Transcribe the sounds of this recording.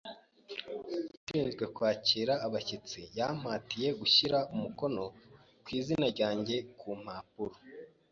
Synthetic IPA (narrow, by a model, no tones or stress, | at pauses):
ʃiːnzɡwe̞kwaːciːɾaːβacit͡sijam̥haːtije̞ɡuçiɾaumuko̞no̞ | kwiːzinaɾɟaːɲɟe̞kʰum̥aːpuɾo